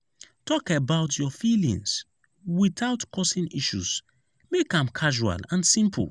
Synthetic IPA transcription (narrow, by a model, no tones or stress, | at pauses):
tɔkebaʊtʰjɔfilḭ̃ŋs | wiθaʊtkʰɔsĩniʃṵs | mekãmkʰaʒua̰lãnsĩmpʰlˠ